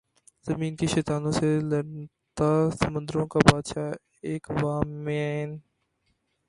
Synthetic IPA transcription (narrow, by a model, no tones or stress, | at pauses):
z̥əmiːnkeːʃeːt̪aːnõːselə | t̪aːsəmə̃nd̪əɾõːkaːbaːd̪ʃaː | eːkʋaːmːẽaːɦɪn